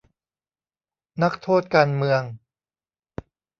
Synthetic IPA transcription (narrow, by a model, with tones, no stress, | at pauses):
na˦˥k̚t̪ʰoː˥˩t̪̚kaː˧nmɯ˧əŋ